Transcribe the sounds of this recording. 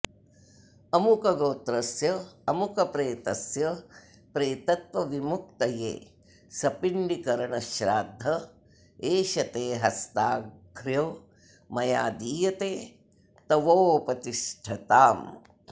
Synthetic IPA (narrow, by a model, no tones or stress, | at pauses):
ɐmukɐɡoːt̪ɾɐsjɐɐmukɐpɾeːt̪ɐsjɐ | pɾeːt̪ɐt̪ʋɐʋimuk̚t̪ɐjḛː | sɐpiɳɖikɐɾɐɳɐʃɾaːd̪ʱːɐ | eːʃɐt̪eːɦɐst̪aːɡʱɾjoː | mɐjaːd̪iːjɐt̪eː | t̪ɐʋoːpɐt̪iʂʈʰɐt̪aːm